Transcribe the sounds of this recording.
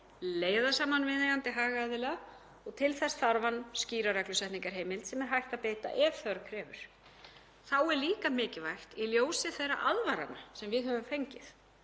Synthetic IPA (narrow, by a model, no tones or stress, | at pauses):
leːjðasaːmanvɪðnɪɣant̪ɪɦaːɣaaðɪlɛa | ɔɣt̪ʰɪlθɛsθaɾvansciːɾaɾɛklʏsɛht̪niŋkaɾ̥ɦeːjmɪlt̪sɛmɛɾɦajht̪aðpeːjt̪a̰ʔɛvθœɾkʰɾɛːvʏ̰ɾ̥ | θawɛɾliːkamɪːcɪvajxt̪iljoːwsɪθejra̰ʔaðvaɾa̰nasɛmvɪðhœvʏmfejɲcɪθ